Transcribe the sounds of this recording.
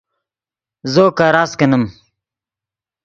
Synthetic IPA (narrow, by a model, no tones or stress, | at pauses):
zoːkaːɾaːskɐnɐm